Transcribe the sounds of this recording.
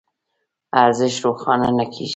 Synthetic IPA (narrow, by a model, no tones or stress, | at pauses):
aɾzɪʃɾoxɑnanakʰḛʒ